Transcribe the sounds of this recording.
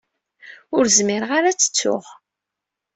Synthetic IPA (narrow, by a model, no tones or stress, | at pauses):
ʊɾzmɪɾʁaɾat͡sːə̥t͡sːʊ̰ʁ